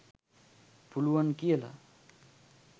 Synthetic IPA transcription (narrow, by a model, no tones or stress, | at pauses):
puluwʌnkiela̰